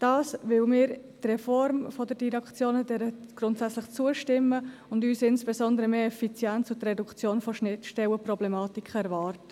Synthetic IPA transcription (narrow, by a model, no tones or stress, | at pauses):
d̥ɑːsvɪwmɪːɾ | trɛfɔɾmfɔdəd̥iɾɛkt͡sjoːnədɛɾəɡ̥ɾʊntsæt͡slɪχt͡suəʃtɪmːəʊndyːsɪnsb̥esɔndəɾəmeːɛfit͡sjɛnt͡sʊtrɛdukt͡sjoːnfoʃnɪtʃtɛwəprɔblɛmɑːtikχəɛɾvɑːɾtə̥